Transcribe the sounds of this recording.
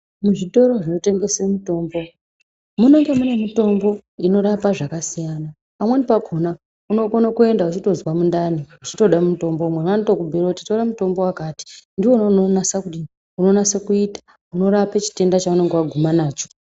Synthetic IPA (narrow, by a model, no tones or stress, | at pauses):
muʐito̞ɾo̞ʐino̞te̞ŋɡe̞semuto̞ːmbo̞ | mune̞ŋɡemune̞mito̞mbo̞ino̞ɾapaʐakasijana | pamwenipaɡʱona | uno̞konakue̞ndaut͡ʃito̞zwamundaniut͡ʃito̞ɗammuto̞mbomwenanitokubʱeroutitoɾamuto̞mbo̞wakaːti̥ndiwo̞nononasakuɗi | uno̞nasekuiːtḁ | uno̞ɾapet͡ʃi̥te̞ndat͡ʃaune̞ŋɡewaɡʱumanaːt͡ʃo̥